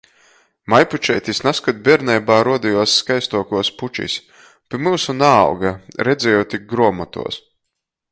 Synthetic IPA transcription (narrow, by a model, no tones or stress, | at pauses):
majput͡ʃɛjt̪ʲisnaskɔt̪̚ʲbʲɛɾnɛjbaːɾuɔd̪ijuɔsːkajst̪uɔkuɔsput͡ʃḭs | pʲimɨlsuna̰ːwɡaɾɛd̪zɛjuːt̪ʲiɡɾuɔmɔt̪ṵɔs